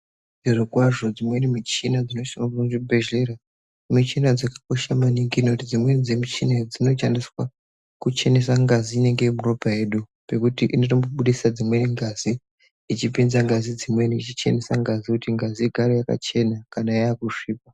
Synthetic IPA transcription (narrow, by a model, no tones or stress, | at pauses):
iʐikwaʐo̞d͡zimwe̞nimit͡ʃinad͡zino̞ʃaŋuʐibʱeʒeɾa | mit͡ʃinad͡zakḁko̞ʃamaniŋɡiːno̞tid͡zimwe̞nid͡zemit͡ʃinad͡zino̞t͡ʃandiswa | kut͡ʃe̞nes̬aŋɡaziːne̞ŋɡe̞imuro̞paje̞ɗu | pe̞kutiʔinotomboɓuɗisad͡zimwe̞niŋɡazi | it͡ʃipinzaŋɡazid͡zimwe̞niit͡ʃit͡ʃe̞̰nesaŋɡazikutiŋɡaziiɡʱaɾojaka̰t͡ʃe̞nakanaajakuʂiːp̚a